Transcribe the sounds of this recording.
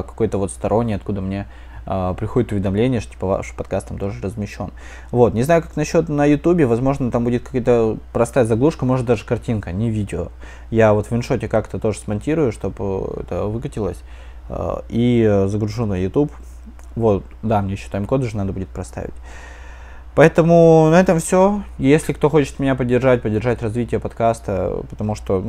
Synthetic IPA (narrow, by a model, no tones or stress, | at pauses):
kɐ̥ko̞jt̪əvo̞t̪st̪ɐɾʔo̞nʲːɪjɐt̪kud̪əmnʲe | əpɾʲɪxodʲɪt̪ʊvʲɪd̪ɐmlʲenʲɪjəʂt̪t̪ʲi̥pəva̰ʂpɐt̪kast̪ɐmt̪o̞ʐɨrəzmʲɪɕːo̞̰n | vo̞t̪nʲɪzajʊkaknɐɕːo̞t̪nəjʊt̪ubʲɪvɐzmo̞ʐnət̪ambudʲɪt̪̚kɐkajt̪əpɾɐst̪ajəzɐɡlˠuʂkəmo̞ʐɨt̪̚d̪aʐɨkɐrtʲinkənʲɪvʲidʲɪo | javo̞t̪vʲvʲɪnʂo̞tʲɪkakt̪ət̪o̞ʐɨsmɐnʲtʲiɾʊjʊʂt̪o̞pɛ̰t̪ə̰vɨkətʲɪlˠə̰sʲ | izəɡɾʊʐunəjʊt̪up | vo̞t̪ | d̪amnʲeɕːɪt̪ajɪmko̞d̪ɨʐɨnad̪əbudʲɪt̪̚pɾɐst̪a̰vʲɪ̰tʲ | pɐɛt̪əmʊnɐɛt̪əmfsʲo̞jesʲlʲɪkt̪o̞xot͡ɕɪ̥t̪mʲɪnʲapədʲːɪrʐat̚ʲpədʲːɪrʐatʲrɐzvʲitʲɪjəpɐt̪kast̪ə̰pə̥t̪ɐmuʂt̪o